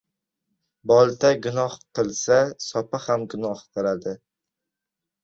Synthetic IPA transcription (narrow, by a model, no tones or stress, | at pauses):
bɒlˠt̪ʰaɡʊnɒhqɨlˠsasɒpahamɡʊnɒhqɨlad̪ɪ